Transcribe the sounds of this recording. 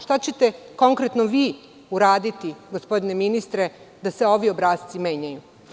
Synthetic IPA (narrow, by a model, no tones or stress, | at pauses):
ʃt̪at͡ɕe̞t̪e̞ko̞ŋkɾet̪noʋiː | uɾaːd̪it̪iɡospo̞d̪ine̞minist̪ɾe̞ | d̪aseo̞ʋio̞bɾaːst̪sime̞ːɲaju